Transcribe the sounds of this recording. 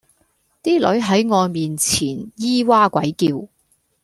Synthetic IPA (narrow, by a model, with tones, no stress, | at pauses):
t̪iː˥lɵ˨˥ɥɦɐ˨˥jŋɔː˨˧jmiː˨nt͡sʰiː˨˩njiː˥waː˥kʷɐ˨˥jkiː˧w